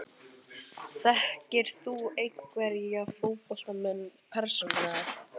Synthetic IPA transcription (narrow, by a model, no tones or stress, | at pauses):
θɛhcɪɾ̥θuejkkvɛɾafowpɔl̥t̪amɛnːpʰɛɾ̥sɔnaaɾ̥